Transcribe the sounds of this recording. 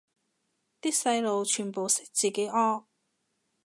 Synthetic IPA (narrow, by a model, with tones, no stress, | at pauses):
t̪iː˥k̚sɐ˧jlo˨wt͡ʃʰyː˨˩npo˨wsɪ̥˥k̚t͡siː˨˩ke˨˥jʔɔː˥ŋ